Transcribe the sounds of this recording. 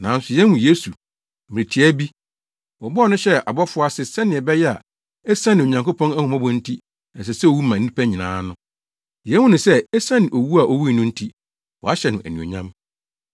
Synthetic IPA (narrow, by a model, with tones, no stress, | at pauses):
nã˨n̩˦sʊ˨jɛ˦hũ˨je˦su˨ | mɪ̃˨ɾi˨tʰi˨˦æ˦bi˦ | wɔ˨bɔ˦˨nʊ̃˦ɕɛ˦a̰˨bɔ˦fʊ˦a˦sɪ˨sɛ˦nɪ̃˨ɛ˨bɛ˦jɛ˦a̰˨ | ɛ˦sã˦nɪ̃˨o˨ɲã˨ŋko˦pʰɔ̃˦næ˦hũ˨mã˦bʊ̃˦n̩˦tʰi˦ | ɛ˨s̬ɛ˨sɛ˦o˨wu˦mã˨n̩˦ĩ˦pʰæ˦ɲĩ˨nã̰ː˨˦nʊ̃˦ | jɛ̃˨˦hʊ̃˦nʊ̃˨sɛ˦ɛ˦sã˦nɪ̃˨ʔo˨wu˦a˨ʔo˨wu˦i˦˨nʊ̃˦n̩˦tʰi˦ | wɔ˨a˦ɕɛ˨nʊ̃˨ʔæ˨nĩ˨o̰˨ɲã˦m